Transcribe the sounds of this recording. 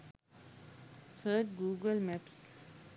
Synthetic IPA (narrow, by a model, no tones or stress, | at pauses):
t̪ʰəːʈ̚ɡuːɡəlmɛps